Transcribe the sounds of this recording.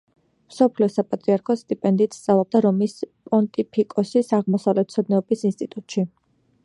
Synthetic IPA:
msɔpʰliɔsapʼat̪ʼɾiaɾkʰɔst̪ʼipʼɛnd̪iːt̪ʰst̪ʼavlˠɔb̚d̪aɾɔmispʼɔnt̪ʼipʰikʼɔsisaʁmɔsavlɛt̪̚t̪sʰɔd̪nɛɔbisinst̪ʼit̪ʼut̪ʼʃi

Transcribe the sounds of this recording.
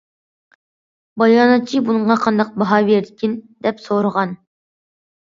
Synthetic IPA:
bɑjɑːnɑt̪̚t͡ʃʰibunɨɴʁɑqʰɑnd̪ɑq̚bɑɦɑveɾd̪ɪkʲʰind̪̥ɛpsoɾəʁɑn

